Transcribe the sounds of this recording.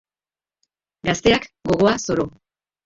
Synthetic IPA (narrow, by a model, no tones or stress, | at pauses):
ɡast̪e̞akɡo̞ɣ̞o̞aso̞ɾo